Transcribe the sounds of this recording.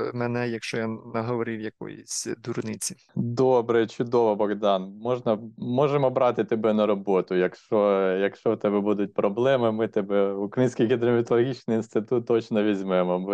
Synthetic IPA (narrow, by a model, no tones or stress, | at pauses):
mɛnɛjɐkʃt͡ʃɔjanɐɦɔʋɔɾɪwjɐkɔ̰jʊ̰sʲd̪urnɪt͡sʲi | d̪ɔbɾɛt͡ʃʊd̪ɔʋɐbɔɣd̪ɑnmɔʒnɐmɔʒemɔbɾɑt̪ɪt̪ɔbɛnɐɾɔbɔt̪ʊjɐkʃt͡ʃɔjɐkʃt͡ʃɔwt̪ɛbɛbud̪ʊt̚ʲpɾɔblˠɛmɪmɪt̪ɛbɛʊkɾɐjinʲsʲkʲijɦʲid̪ɾɔmʲɪt̪ɔlˠɔɦʲit͡ʃnɪjinst̪ɪt̪ut̪ːɔt͡ʃnɔʋʲizʲmɛemɔb